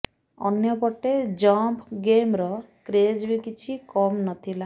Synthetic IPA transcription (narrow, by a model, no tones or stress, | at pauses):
ɔ̰njɔpɔʈed͡ʒɔmpʰɡemɾɔ | kɾed͡ʒbikit͡ʃʰikɔmnɔt̪ʰila